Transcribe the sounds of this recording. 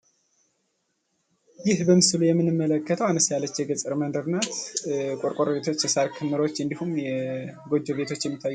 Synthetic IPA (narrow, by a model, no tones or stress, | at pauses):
jɪhbəmɨsɨlujɛmːɨnɨmːələkːət̪ʰəwanəsjalːət͡ʃːjɛɡət͡sʼɨɾmənd̪əɾnat̪kʼoɾkʼoɾβe̞t̪ʰo̞t͡ʃːjɛsaɾkʰɨnːɨɾo̞t͡ʃːɨnd̪ihumjɛɡo̞d͡ʒoβe̞t̪ʰo̞t͡ʃːjɛmːit̪ʰːajːu